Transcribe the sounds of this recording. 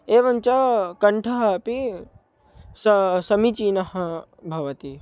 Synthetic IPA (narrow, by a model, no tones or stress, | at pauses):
eːʋɐnt͡ʃɐkɐɳʈʰɐɦɐpi | sɐsɐmit͡ʃinɐɦɐ | bʱɐʋɐt̪i